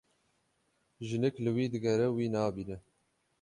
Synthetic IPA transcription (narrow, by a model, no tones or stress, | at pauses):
ʒɨnɨklɨwiːd̪ɨɡɛɾɛwiːnɑːbiːnɛ